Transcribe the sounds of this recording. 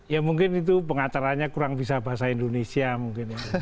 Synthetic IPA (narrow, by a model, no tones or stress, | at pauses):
jamuŋkɪnit̪̬upəŋat̪aɾaɲakuɾaŋbis̬abaɦasaindonesiamuŋkɪnja